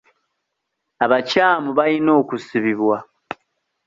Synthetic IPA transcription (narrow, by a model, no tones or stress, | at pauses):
aβacaːmuβalino̞ːkusiβiβwa